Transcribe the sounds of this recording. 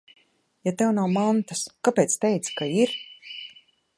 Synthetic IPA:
jat̪ɛwnawmant̪askapeːt̪st̪ɛjt̪skaiɾ

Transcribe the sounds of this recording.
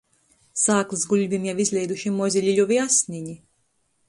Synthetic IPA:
saːklˠɨsɡuʎʲvʲimjawizlʲɛjd̪uʃimːɔzʲilʲilʲuvʲiasʲniɲi

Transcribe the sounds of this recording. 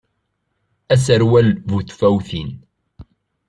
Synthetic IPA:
æsəɾwælvuθfæwθin

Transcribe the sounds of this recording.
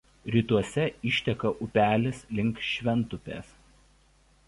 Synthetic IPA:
ɾʲiːt̪uɔsʲɛɪʃʲt̪ʲɛkɐʔʊpʲæːlʲɪslʲɪŋˑkʃʲʋʲɛnt̪ʊpʲḛːs

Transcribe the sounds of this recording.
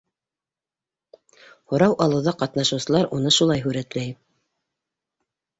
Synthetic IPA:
hŏɾɑwʔɑlˠɤ̆wðɑqɑt̪nɑʃɤ̆wsɤ̆lˠɑɾunɤʃulˠɑjɦʉɾæt̪læj

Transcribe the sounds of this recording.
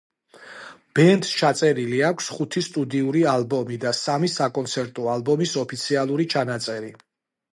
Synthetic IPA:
b̥ɛnt̪st͡ʃʰat̪sʼɛɾiliakʷʰsχut̪ʰist̪ʼud̪iuɾialˠbɔmid̪asamisakʼɔnt̪sʰɛɾt̪ʼɔalˠbɔmisɔpʰit̪sʰialˠuɾit͡ʃʰanat̪sʼɛɾi

